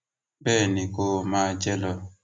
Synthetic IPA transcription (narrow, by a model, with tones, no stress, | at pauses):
bɛ˦˨ni˨ko˦˨ma˦˨d͡ʒɛ˦lɔ˨